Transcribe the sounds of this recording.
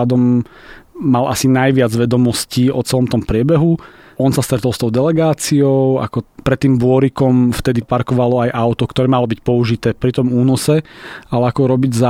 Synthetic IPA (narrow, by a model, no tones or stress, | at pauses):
ad̪ɔmː | alʔa̰sinajʋɪad͡zʋɛd̪ɔmɔsciɔt͡sɛlɔmt̪ɔmpɾɪɛbɛɦu | ɔnsast̪ɾɛt̪ɔlˠst̪ɔʊd̪ɛlɛɡaːt͡siɔʊa̰kɔpɾɛt̪ːiːmbʊɔɾikɔmft̪ɛd̪ipaɾkɔʋalɔajʔaʊt̪ɔkt̪ɔɾɛːmalɔbicpɔuʒit̪ɛːpɾit̪ɔmuːnɔsɛalɛakɔɾɔbiɟza